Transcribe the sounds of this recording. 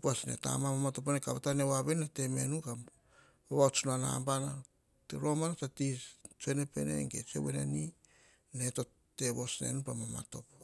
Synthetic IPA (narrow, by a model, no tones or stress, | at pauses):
puasnḛta̰mamamato̞p̬onekaβatanewaβennate̞me̞nuka | oβaot͡ʃunana̰mbana | teɾo̞manat͡ʃatist͡ʃuenepe̞̰nḛŋɡe̞t͡ʃḛweneni | neto | te̞βo̞snḛnupamama̰to̞po